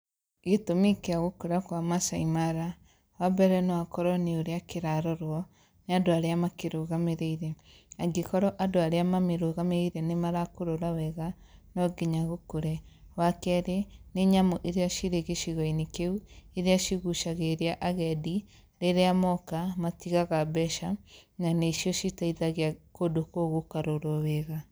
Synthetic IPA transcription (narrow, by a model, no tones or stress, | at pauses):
ɣetomekeaɣokuɾakwamasaimaɾa | wabɛɾɛnowakɔɾɔneoɾeakeɾaɾɔɾwɔ | neadoaɾeamakeɾoɣameɾeiɾeaɡekɔɾɔʔadoaɾeamameɾoɣameɾeɾenemaɾakoɾoɾawɛɣa | nɔɡeɲaɣokuɾɛwakɛɾeneɲamɔʔeɾeaʃiɾeɣeʃiɣɔinekeueɾeaʃiɣuʃaɣeɾeaʔaɣɛdi | ɾeɾeamɔkamatiɣaɣabɛʃananeiʃijɔʃitaiðaɣeakodokoɣokaɾoɾoweɣa